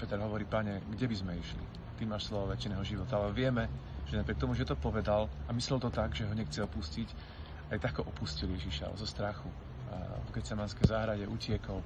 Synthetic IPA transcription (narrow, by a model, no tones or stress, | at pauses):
pɛt̪ɛɾɦɔʋɔɾiːpaɲɛɡɟɛbizmɛiʃlḭ | t̪imaːʃslɔʋɔʋɛt͡ʃinɛːɦɔʒiʋɔt̪aalɛʋɪɛmɛʒ̥ɛnapɾɪɛk̚t̪ɔmuʒɛt̪ɔpɔʋɛd̪alamislɛlt̪ɔt̪aɡʒɛɦɔɲɛxt͡sɛɔpuscic | ajt̪akkɔʔɔpusciljɛʒiʃa̰zɔst̪ɾaxu | vɡɛt͡sɛmanskɛjzaːɦɾaɟɛʔucɪɛkɔʊ